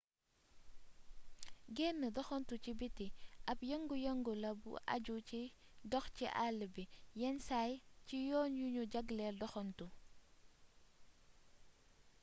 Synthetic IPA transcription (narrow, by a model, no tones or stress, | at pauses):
ɡɛnːədɔxɔntucibitiʔɐpjɐŋɡujɐŋɡulɐbṵʔa̰ɟuci | dɔxciʔalːbijɛnsajcijɔːnjuɲuɟaɡlɛdɔxɔntu